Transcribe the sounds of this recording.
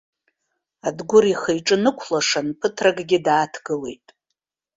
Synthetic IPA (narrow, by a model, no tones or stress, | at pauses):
adɡʷʊriχejʈ͡ʂʼɨnɨkʷʰlaʂanpʰɨtʰraɡɡʲɪdaːtʰɡɨle̞̰jtʼ